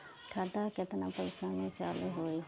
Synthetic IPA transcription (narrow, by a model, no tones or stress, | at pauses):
ʈʰaɖaːkɪt̪naːpəɪsaːneːt͡ʃaːleːɦoːeː